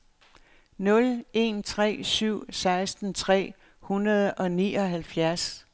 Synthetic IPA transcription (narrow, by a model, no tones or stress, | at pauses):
nɔ̽le̝nt͡sʰʁɛ̰ːsyʊ̰sɑ̈ɪsd̥n̩t͡sʰʁɛ̰ː | hunɐð̞ˠʔɒ̽nḭːɒ̽ɦælfjæɐs